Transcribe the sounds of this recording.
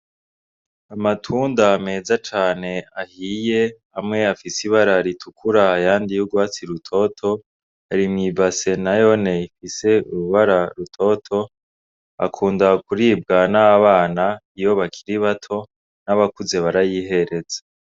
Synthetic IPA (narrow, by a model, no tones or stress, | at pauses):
amatʰuːndame̞zat͡ʃaːne̞ahije̞ | amŋe̞afisiβaɾaɾitʰukʰuɾaːjaːndijuɡwaːt͡siɾutʰo̞tʰo̞ | aɾimŋibase̞najo̞ne̞ifise̞uɾuβaɾaɾutʰo̞tʰo̞ | a̰kʰuːndakuɾiːb̚ɡanaaβaːnaijo̞βakʰiɾiβatʰo̞ | naβakuze̞βaɾajiːɦe̞ɾe̞za